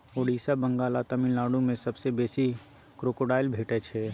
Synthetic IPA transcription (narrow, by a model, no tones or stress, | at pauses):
oːɖiːsabə̃ŋɡaːlat̪əmɪnlaːɽũmẽsɐbsebeːsi | kɾoːkoɖaːɪlbʱeːʈɛt͡ʃʰe